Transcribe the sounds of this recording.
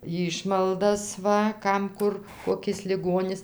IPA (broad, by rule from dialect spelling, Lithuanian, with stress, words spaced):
ˈjiːʃmɐlˠdɐs ˈʋɐ ˈkɐm ˈkʊr koːˈkʲɪs lʲɪˈɡoːnʲɪs